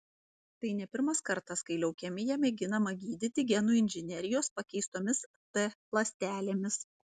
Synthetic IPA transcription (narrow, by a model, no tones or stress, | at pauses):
t̪ɐɪnʲɛpʲɪɾmɐskɐɾt̪ɐskɐɪlʲɛʊkʲɛmʲɪjɛmʲɛɡʲɪnɐmɐɡʲiːd̪ʲɪt̪ʲɪɡʲɛnuːɪnʲʒʲɪnʲɛɾʲɪjoːspɐkʲɛɪst̪oːmʲɪs | t̪ɛplˠɐsʲt̪ʲæːlʲeːmʲɪs